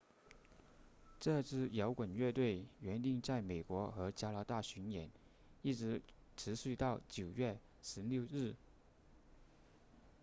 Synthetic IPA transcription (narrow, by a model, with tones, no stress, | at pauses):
ʈ͡ʂɤ˥˧t͡sʰɹ̩˥˩jɑ˧˥ʊkwə˨˩nɥɛ˥˧t̪we˥˩ɪɥɛ˧˥nt̪i˥˧ŋt͡sa˥˩ɪme˨˩ɪkwɔ˧˥xɤ˧˥t͡ɕja˧˥la˧˥t̪a˥˩ɕy˧˥njɛ˨˧˥n | i˥˩ʈ͡ʂɻ̩˧˥ | ʈ͡ʂʰɻ̩˧˥ɕy˥˧t̪ɑ˥˩ʊt͡ɕjo˨˩ʊɥɛ˥˩ | ʂɻ̩˧˥ljo˥˧ʊɻɻ̩˥˩